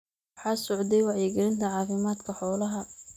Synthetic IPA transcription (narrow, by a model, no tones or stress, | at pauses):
wħɑːsɔʕd̪ɛjwɑʕjɛɡɛlɪnt̪ʰɐʕɑːfɪmaːd̪kʰɐħɔːlɐɦɐ